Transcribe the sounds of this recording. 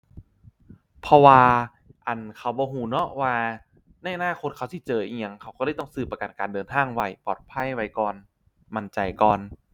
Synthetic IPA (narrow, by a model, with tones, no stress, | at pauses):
pʰɔ˧waː˧ | ʔa˨˩nkʰa˧˩wbɔː˧ɦuː˨˩˦nɔ˦˥waː˧ | na˧˩jʔa˧naː˥˨kʰo˧t̪̚ʰa˧˩wsʰi˧˩t͡ɕɤː˧˩ʔi˧ŋa˧ŋkʰa˧˩wkːɤː˧˥˩t̪ɔ˥˩ŋsɯː˧˩pːa˧ka˨˩nkaː˨ndɤː˨˧nt̪ʰaː˧˥˩ŋwa˧˩jpɔ̰ː˨˩t̪̚pʰa˧˥˩jwa˧˩jkɔː˧n | ma˧˩nt͡ɕa˧jkɔː˧n